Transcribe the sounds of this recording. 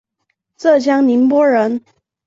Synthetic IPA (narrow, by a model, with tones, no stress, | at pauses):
ʈ͡ʂɤ˥˩t͡ɕjɑ˥ŋni˧˥npwɔ˥ɻə˧˥n